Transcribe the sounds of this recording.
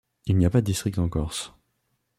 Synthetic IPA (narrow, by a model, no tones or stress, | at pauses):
ilnijapad̪əd̪ist̪χik̚t̪ɑ̃kɔʁs